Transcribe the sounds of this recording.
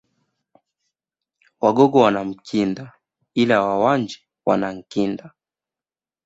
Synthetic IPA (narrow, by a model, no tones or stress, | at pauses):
waɡɔɡɔwanam̩kʰinda | ilawawand͡ʒi | wanam̩kinda